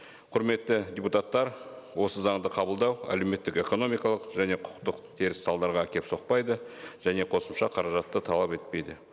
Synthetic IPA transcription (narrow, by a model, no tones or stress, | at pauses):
qʰʊɾme̞t̪ːɪd̪ʲeput̪ɑt̪ːɑɾwo̞səzɑɴd̪əqʰɑbəlˠd̪ɑwæ̰lewme̞t̪ːɪke̞ko̞no̞mijkɑlˠəqʒæne̞qʰʊ̥qt̪əqt̪ʰeɾɪssɑlˠd̪ɑɾʁɑkʲʰe̞pso̞q̚pɑjd̪əʒ̥æne̞qʰo̞səmʃɑqʰɑɾɑʒɑt̪ːət̪ʰɑlˠɑpe̞t̪̚pe̞jd̪ɪ